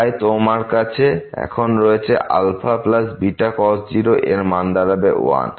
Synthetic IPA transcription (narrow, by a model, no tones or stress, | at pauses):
jt̪omaɾkat͡ɕʰeɛ̰kʰonɾɔet͡ɕʰeʔa̰lfaplasbiʈakɔsʈd͡ʑiɾoʔeɾmand̪aɾabeo̰a̰n